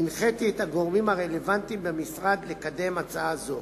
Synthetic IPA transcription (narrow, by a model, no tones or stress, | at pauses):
inχet̪iet̪haɡo̞ʁmimaʁe̞le̞vant̪imbemisʁad̪le̞kad̪e̞mat͡saazo